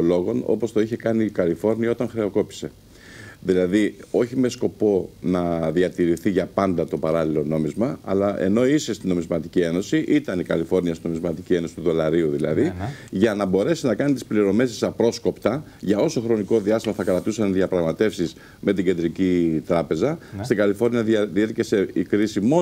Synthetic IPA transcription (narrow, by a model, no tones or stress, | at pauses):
lo̞ɣo̞no̞̰po̞st̪o̞içe̞kɐnikɐlifo̞ɾniɐo̞t̪ɐŋxɾe̞o̞ko̞pi̥se̞ | ðilɐðio̞çime̞sko̞po̞nɐðiɐt̪iɾiθiʝɐpɐnd̪ɐt̪o̞pɐɾɐlilo̞no̞mizmɐɐ̰lɐʔe̞̰no̞isest̪ino̞mizmɐt̪i̥cie̞no̞siʔit̪ɐnikɐlifo̞ɾniɐst̪ino̞mizmɐt̪icie̞no̞si̥t̪uðo̞lɐɾiuðilɐ̰ðiʝɐnɐbo̞ɾe̞sinɐkɐnit̪ispliɾo̞me̞sisɐpɾo̞sko̞pt̪ɐʝɐo̞so̞xɾo̞niko̞ðiɐst̪imɐθɐkɾɐt̪usɐnðiɐpɾɐɣmɐt̪e̞fsiz | me̞t̪iɟe̞nd̪ɾicit̪ɾɐpe̞zɐst̪iŋɡɐlifo̞ɾniɐððieɾce̞se̞ikɾisimo̞